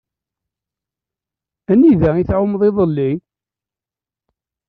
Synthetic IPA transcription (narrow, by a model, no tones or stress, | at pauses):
æniðæiθʕʊmðˤeðˤəlːi